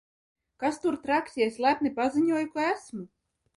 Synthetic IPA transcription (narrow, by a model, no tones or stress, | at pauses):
kast̪uɾt̪ɾaksʲiɛsʲlˠæp̚nipaziɲuɔjukɔæsmu